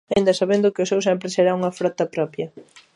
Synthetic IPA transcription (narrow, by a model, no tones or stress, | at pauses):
aind̪ɐsaβend̪ʊkɪʊsewsɛmpɾɪseɾauŋɐfɾɔt̪ɐpɾɔpjɐ